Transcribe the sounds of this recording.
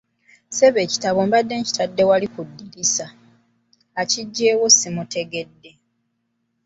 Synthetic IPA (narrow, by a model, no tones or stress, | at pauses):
se̞βe̞ːci̥taβo̞mbadːe̞ːɲci̥tadːe̞walikudːilisaː | ciɟːeːwosimute̞ɡe̞dːe̞